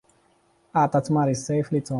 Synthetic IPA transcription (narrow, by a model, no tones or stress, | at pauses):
at̪at͡smaɾisejflit͡so